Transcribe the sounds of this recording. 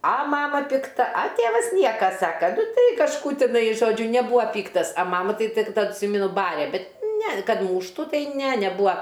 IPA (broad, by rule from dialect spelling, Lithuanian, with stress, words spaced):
ɐ ˈmɑːmɐ pʲɪkˈtɐ ɐ ˈtʲeːʋɐs ˈnʲiɛkɐ ˈsɑːkɐ nʊ ˈtɐɪ kɐʃˈkuː tʲɪˈnɐɪ ˈʒoːd͡ʒʲʊ nʲɛˈbuːɐ ˈpʲiːktɐs ɐ ˈmɑːmɐ ˈtɐɪ tʲɪk tɐt tʲˈsʲiːmʲɛnʊ ˈbɑːrʲeː ˈbʲɛt nʲɛ kɐt ˈmuːʃtʊ tɐɪ nʲɛ nʲɛˈbuːɐ